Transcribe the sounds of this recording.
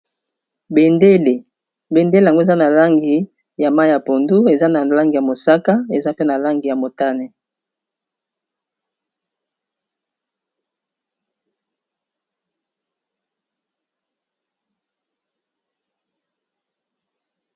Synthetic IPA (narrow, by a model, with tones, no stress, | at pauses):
be˨nde˦le˨ | be˨nde˦le˨a˨ŋɡo˦e˨za˦na˨la˦ŋɡi˨ | ja˨ma˦jja˨po˨ndu˦e˨za˦na˨la˦ŋɡi˨ja˨mo˨sa˦ka˦e˨za˦pe˦na˨la˦ŋɡi˨ja˨mo˨ta˦ne˨